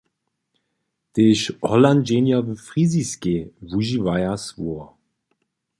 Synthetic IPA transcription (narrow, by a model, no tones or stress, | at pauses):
t̪eʃɔland͡ʒenjavəfʁiziskevuʒivajasvuɔ